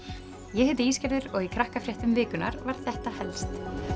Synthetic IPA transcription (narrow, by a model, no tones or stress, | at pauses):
jɛhɛt̪̬ʏiːscɛɾðʏɾɔɣikʰɾahkafɾjɛht̪ʏmvɪːkʏna̰ɾvaɾ̥ðθɛht̪ahɛlst̪